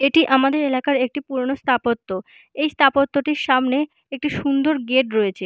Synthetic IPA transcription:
eʈiʔamad̪eɾelakaɾek̚ʈipuɾonost̪ʰapot̪ːo | ejst̪ʰapot̪ːoʈiɾʃamne | ek̚ʈiʃund̪oɾɡeʈɾojet͡ɕʰe

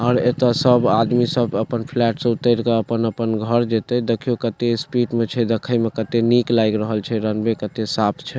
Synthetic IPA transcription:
ɔːɾet̪əsəbad̪misəbəpənpʰlɛʈsə̃ut̪əɾkeəpənəpənɡʱəɾd͡ʒet̪ɛd̪ekʰijokət̪espiʈmet͡ʃʰɛd̪ekʰəjmekət̪eniklajkɾəɦəlt͡ʃʰɛɾənbekət̪esapʰt͡ʃʰɛ

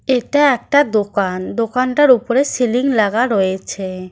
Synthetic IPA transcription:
eʈaɛk̚ʈad̪okand̪okanʈaɾupoɾesiliŋlaɡaɾɔjet͡ɕʰe

